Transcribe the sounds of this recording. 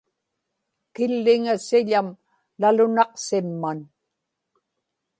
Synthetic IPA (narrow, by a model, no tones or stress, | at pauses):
kɪlːɪŋasɪʎam | lalʊnɑqsɪmːan